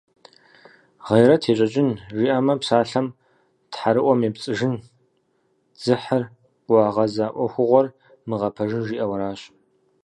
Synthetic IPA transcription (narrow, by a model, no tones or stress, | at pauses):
ʁejɾɐtʰeːɕʼɐt͡ʃʼɪnʒiːʔɐmɐpsaːɬɐm | tħaɾɨʔʷɔmeːpt͡sʼɨʒɪn | d͡zɨħɐrʷ | ɑːʁɐzaːʔʷɔxʷʊʁʷɔr | mɨʁɐpʰɐʒɨnʒiːʔɐwɐɾaːɕ